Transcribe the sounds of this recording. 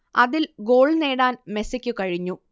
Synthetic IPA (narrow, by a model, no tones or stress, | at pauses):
ɐ̰ðilɡo̞ːɭneːɽaːnme̞sɐkʲːukɐɻiɲːu